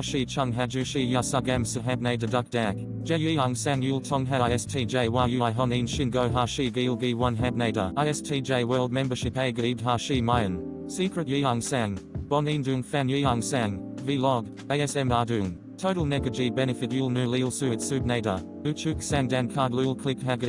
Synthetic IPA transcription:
ʃit͡ʃʰʌ̃ŋɦæd͡ʒʉʃijasaɡæ̃msəɦæb̚neɪɾədʌk̚d̥æk | d̥d͡ʒ̥ɛjiaŋsæ̃njulˠtʰɔ̃ŋɦæɪɛstʰid͡ʒeɪwajuɪɦɔnĩnʃɪ̃nɡoʊɦaʃiɡilˠɡiwʌ̃nɦæ̃b̚neɪɾə̰aɪɛstʰid͡ʒeɪwɜ˞lˠd̚mɛ̃mbəʃɪpeɪɡidɦaʃimaɪə̃n | siˑkɹɨtjiaŋsæ̃ŋb̥ɔnĩndʉŋfæ̃njiaŋsæ̃ŋvilɔɡ | eɪɛsɛ̃mɑdʉŋ | tʰoʊɾəl̩ˠnɛɡəd͡ʒibɛnɨfɨt̚julˠnʉlilˠsʉɨtsʉb̚neɪɾə̰ | ʉt͡ʃʉksæ̃ŋdæ̃nkʰɑːdˡlulˠkʰl̥ɪkɦæɡə

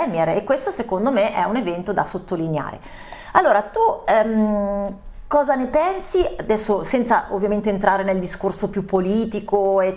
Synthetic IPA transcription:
ɛmɛɾekːwest̪osekond̪omeʔɛunevɛnt̪od̪asot̪ːolinea̰ːɾḛ | alːoːɾat̪uɛm | kɔːzanepɛnsiad̪ɛsːosɛnt̪saʔo̰vːjament̪eːnt̪ɾaːɾeneld̪iskorsopjupːoliːt̪ikoe

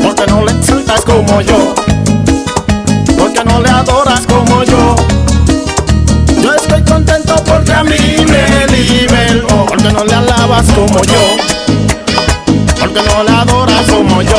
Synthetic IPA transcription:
poɾkenolekselt̪akomoʝo | poɾkenoleaðoɾaskomoʝo | d͡ʒoest̪ojkont̪ent̪opoɾkeamimeliβelopoɾkenolealaβaskomoʝo | poɾkenoleaðoɾakomoʝo

